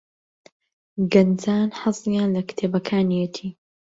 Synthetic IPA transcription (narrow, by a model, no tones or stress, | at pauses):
ɡɐnd͡zaːnħɑzˤijanlɐkt̪ʰeːbɐkʰaːnijɛt̪ʰiː